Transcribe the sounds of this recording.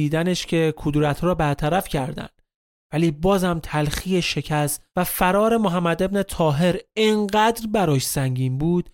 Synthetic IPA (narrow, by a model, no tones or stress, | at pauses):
iːd̪æneʃcʰe̞kʰud̪ɾæt̪ʰɾɒːbæɾt̪ʰæɾæfcʰæɾd̪æ̰nd̪ | væliːbɒːzhæmt̪ʰælxijeʃe̞cʰæsvæfæɾɒːɾe̞moɦæmːæd̪e̞bne̞t̪ʰɒːɦe̞ɾeŋɢæːd̪ɾbæɾɒːʃsæŋɟiːnbuːd̪̥